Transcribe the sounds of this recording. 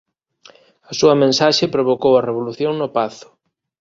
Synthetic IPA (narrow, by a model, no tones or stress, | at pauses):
ɐsuɐmẽnsaʃepɾoβokowɐreβ̞oluθjoŋnʊpaθʊ̥